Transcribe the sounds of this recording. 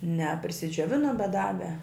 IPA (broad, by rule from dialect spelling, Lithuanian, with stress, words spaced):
nʲɛ pʲrʲɪsʲɪd͡ʒʲuɔˈʋʲɪnʊm bʲɛt ˈdɑːʋʲɛ